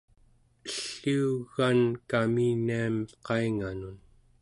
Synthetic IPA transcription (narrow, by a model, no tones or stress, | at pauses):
əɬːiːɣankaminiamqɑiŋanun